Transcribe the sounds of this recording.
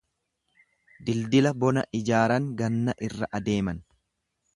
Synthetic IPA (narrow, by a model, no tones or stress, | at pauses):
d̪ɪld̪ɪlɐbɔnɐʔɪd͡ʒaːɾɐŋɡɐnːɐʔɪrːɐʔɐd̪e̞ːmɐn